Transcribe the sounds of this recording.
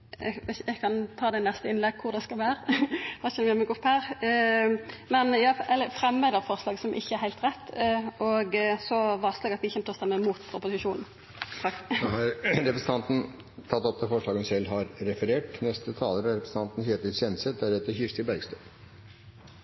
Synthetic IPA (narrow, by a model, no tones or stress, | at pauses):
ʋɛɛɡkʰɑnt̪ʰɑːd̪ɛnɛst̪əɪnlɛɡ̚kʰʊʁd̪ɛskɑlʋæːɾəʋɑçɛʋɪɑmɛɡʊphæːʁ | mɛnjɑːɛlːəfʁɛmːøːd̪əʁfɔʁslɑːɡəsɔmʔɪ̰çːəæɾhæɪlt̪ʁɛt̪ːʔɔɡsɔʋɑslɛɡɑt̪ʋɪɪçɛnt̪ɔst̪ɑmɛmuːt̪ʊpʊsɪʃuːnn̩ | ɑhɑɾɾɛpɾəsn̩ɑnt̪n̩ | t̪ʰɑt̪ːɔp̚t̪ʰɛfɔʂɭɑːɡənsɛlːhɑɾɾɛfəɾeːʈnɛst̪ət̪ʰɑːləɾəɾɛpɾsn̩ɑnt̪n̩çøːt̪əsɛnsəd̪æɾheːt̪əɾçɪʂt̪əbæɾɡst̪øp